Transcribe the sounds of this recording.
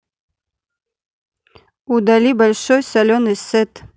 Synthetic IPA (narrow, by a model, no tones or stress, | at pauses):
ud̪alʲibalʲʂojsalʲoneset̪